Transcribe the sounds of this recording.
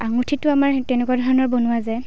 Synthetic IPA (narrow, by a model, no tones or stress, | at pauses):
aŋutʰitʊamaɹtɛnɛkuadʱɔɹɔnɔɹbɔnʊwazɛ